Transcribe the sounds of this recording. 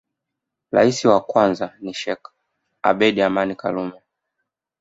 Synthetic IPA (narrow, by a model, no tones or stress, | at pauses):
ɾa̰isiwakwanzaniʃɛk | a̰ɓɛɗiamanika̰lumɛ